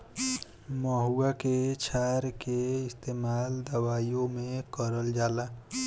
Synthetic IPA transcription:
məɦuaket͡ʃʰaːɾkeɪst̪eːmaːld̪əwaːijõmẽkəɾəld͡ʒaːlaː

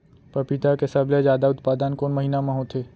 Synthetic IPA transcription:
pɐpit̪akesɐblezjaːd̪aʊt̪paːd̪ənkoːnmɐɦinamãɦõt̪ʰeː

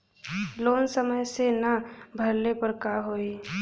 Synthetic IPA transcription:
loːnsəməjsenɐbʱəɾlepəɾkaɦoːi

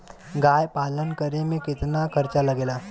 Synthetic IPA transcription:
ɡajpalənkəɾemeket̪nakʰəɾt͡ɕalaɡela

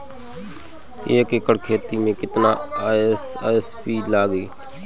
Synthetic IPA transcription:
eːkekəɽkʰeːt̪iːmẽːkɪt̪naːsːespiːlaːɡiː

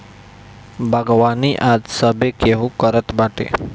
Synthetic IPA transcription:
bʱəɡʋaːniʔad̪səbekeɦukəɾət̪baʈḛ

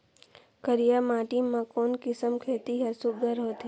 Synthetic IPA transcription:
kəɾijamãːʈimãkoːnkɪsəmkʰeːt̪iɦɛsʊɡəɾɦoːt̪i

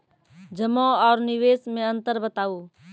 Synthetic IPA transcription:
d͡ʒəmõːɔːɾnɪʋeːsmẽə̃nt̪əɾbət̪aːoː

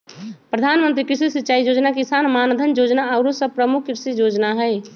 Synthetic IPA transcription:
pɾəd̪ʱanmənt̪ɾikɾɪɾsisitːt͡ʃaid͡ʒod͡ʒnakisanmand̪ʱənd͡ʒod͡ʒnaaʊɾosəb̚pɾəmukʰːiɾsid͡ʒod͡ʒnaɦɛj

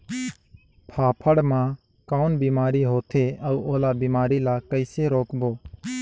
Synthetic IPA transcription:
pʰaːpʰəɽmãː | kaːʊnbiːmaːɾiɦoːt̪ʰeːɐuːoːlaːbiːmaːɾiːlaːkəɪseɾoːkboː

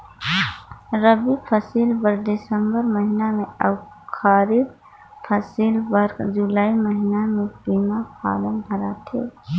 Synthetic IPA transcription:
ɾəbipʰəsiːlbəɾd̪ɪsəmbəɾməɦinamẽəw | kʰaːɾɪd̪ | pʰəsiːlbəɾkd͡ʒʊlaːiməɦinamẽpiːmapʰa̰ːlənbʱəɾat̪ʰḛː

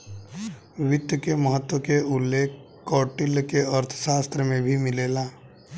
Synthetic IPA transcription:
wɪt̪jəkeməɦət̪wəkeʊlːeːkʰ | kːɔːʈɪlkeəɾt̪ʰə̥ʃaːst̪ɾəmẽbʱimɪleːlaː

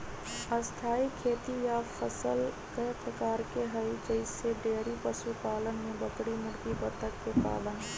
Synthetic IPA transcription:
əst̪ʰaːikʰeːt̪ijafʰəsəl | kepɾəkaːɾkeɦəid͡ʒəɪseɖeːɾipəsupaːlənmẽbəkɽimʊɽkipət̪əkːepa̰ːlən

